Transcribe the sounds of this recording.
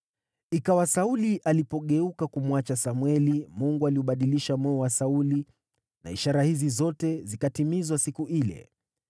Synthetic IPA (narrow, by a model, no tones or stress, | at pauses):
ikawasauliʔalipɔɠɛukakumwat͡ʃasamwɛlimuŋɡualiuɓaɗiliʃamwɛɔwasauli | na̰ḭʃaɾahizizɔtɛzikatimizwasikuilɛ̰